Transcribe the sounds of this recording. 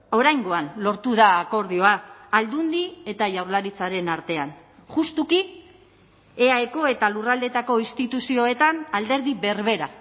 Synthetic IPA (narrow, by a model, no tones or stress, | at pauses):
o̞ɾajŋɡo̞anlo̞ɾt̪uðaːko̞ɾðio̞aald̪und̪ie̞t̪aʝawɾlaɾit͡saɾe̞naɾt̪e̞an | ʝust̪uki | eaeko̞e̞t̪alurald̪e̞t̪ako̞inst̪it̪usio̞e̞t̪anald̪e̞ɾðiβe̞ɾβe̞ɾa